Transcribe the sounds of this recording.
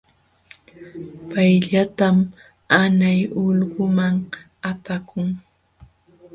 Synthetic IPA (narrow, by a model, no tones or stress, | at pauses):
pajʎat̪am | anajʊʎɢʊmaŋ | apakʰʊŋ